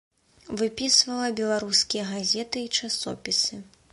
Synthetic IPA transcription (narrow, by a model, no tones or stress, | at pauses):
vɨpʲisvɐlˠɐbʲɛlˠaɾuskʲijɐɣazʲɛt̪ɨːt͡ʂasɔ̰pʲisɨ